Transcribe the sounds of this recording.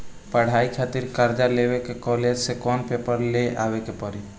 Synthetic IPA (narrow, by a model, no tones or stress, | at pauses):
pəɽ̤aːikʰat̪iɾkəɾd͡ʒalewekekɔled͡ʒsekɔːnpepəɾleʔa̰ːʋekepɔɾi